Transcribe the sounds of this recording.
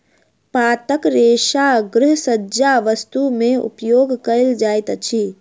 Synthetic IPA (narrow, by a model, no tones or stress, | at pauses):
paːt̪əkɾeːʃaɡɾɪɦsəd͡ʒaʋəst̪umẽṵpjoːɡkəld͡ʒaːjt̪t͡ʃʰi